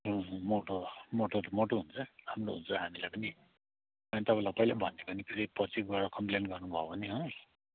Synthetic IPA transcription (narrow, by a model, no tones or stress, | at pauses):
ɦõmoʈomoʈoɾmoʈoɦunt͡sʰʌhamɾoɦṵnt͡sʰʌɦamilajpʌni | ʌnt̪ʌbãlaopʌjlanbʱʌnːepʌnipʰeɾipʌt͡sikɡaɾʌkʌmplenɡʌrnubʱʌobʱʌniɦʌ̃